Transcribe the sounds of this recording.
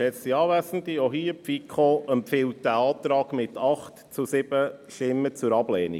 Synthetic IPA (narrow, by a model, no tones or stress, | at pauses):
ɛsiɑːvæsənt̪ioɦiːpfikʰχoəmpfɪlt̚d̥æɑːt̪ɾɑːɡ̥mɪtʰɑχtt͡susɪb̥əʃtɪmːət͡sʊɾɑb̥lɛːnḭ